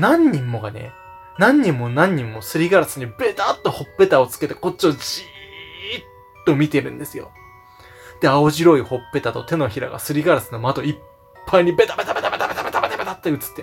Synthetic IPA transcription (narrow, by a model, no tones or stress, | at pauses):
nãɲ̟ːĩmːo̞ɡane̞̰ | nãɲ̟ːĩmːo̞nãɲ̟ːĩmːo̞sɨɾʲiɡaɾasɨɲ̟ibe̞t̪at̪ːo̞ho̞pːe̞t̪ao̞t͡sɨ̥ke̞t̪e̞ko̞t͡ɕ̚t͡ɕːiod͡ʑi | t̪ːo̞mʲit̪e̞ɾɯ̟̃nd̪e̞sɨjo̞̰ | d̪̥e̞aoʑiɾo̞iho̞pːe̞t̪at̪o̞t̪e̞no̞çiɾa̰ɡa̰sɨɾʲiɡaɾasɨno̞mad̪o̞i | pːaiɲ̟ibe̞t̪abe̞t̪abet̪abet̪abet̪abet̪abet̪abet̪at̪ːeɯ̟t͡sɨ̥t̪ːe